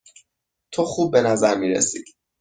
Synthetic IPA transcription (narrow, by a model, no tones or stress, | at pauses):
t̪ʰoxuːb̚ːe̞næzæɾmiːɾḛsḭːd̪̥